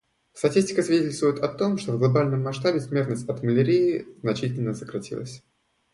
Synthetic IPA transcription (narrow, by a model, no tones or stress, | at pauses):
st̪ɐtʲisʲtʲɪ̥kəsvʲɪdʲetʲɪlʲst̪vʊjʊt̪ɐt̪o̞mʂt̪ovɡlˠɐbalʲnəmːɐʂt̪abʲɪsmʲe̞rt̪nəsʲtʲɐt̪məlʲɪɾʲijɪznɐt͡ɕitʲɪlʲnəsəkɾɐtʲḭlˠə̰sʲ